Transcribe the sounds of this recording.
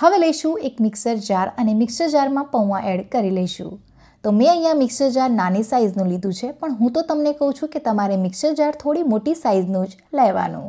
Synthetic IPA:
həʋeləiʃũekmɪksəɾd͡ʒaɾənemɪksəɾd͡ʒaɾmãpəʋʋãʔɛɽkəɾiləiʃṵ̃ | t̪omɛ̃əjãmɪksəɾd͡ʒaɾnanisaiznũlid̪ũt͡ʃʰepəɳɦũt̪ot̪əmnekəɦũt͡ʃʰũket̪əmaɾemɪksəɾd͡ʒaɾt̪ʰoɽimoʈisaiznũd͡ʒ | ləjʋa̰nṵ̃

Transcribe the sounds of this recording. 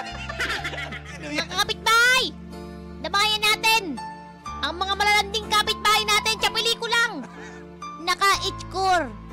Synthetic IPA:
nɐkakɐpɪt̪̚baːhaj | d̪ɐmaːjɐnːaːt̪ɛn | ʔɐŋmɐŋamɐlalɐnd̪ɪŋkapɪt̪̚baːhɐjnaːt̪ɛnt͡ʃɐpɪliːkʊlaŋ | nɐkaʔɪt͡ʃkoɾ

